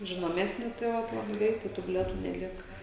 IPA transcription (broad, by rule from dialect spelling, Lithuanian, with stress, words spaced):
ʒʲɪnoːˈmʲæːsʲnʲɪ tɐɪ ˈʋɐt ˈlˠɑːbɐɪ ˈɡrʲɛɪtɐɪ ˈtuː bʲɪlʲiɛˈtuː nʲɛˈlʲiɛkɐ